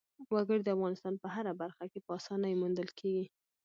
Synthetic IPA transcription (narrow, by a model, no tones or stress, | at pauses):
waɡəɽd̪əafɣɑnɪst̪ɑnpəɦaɾabaɾxakepəɑsɑnajmund̪əlkʰeɡi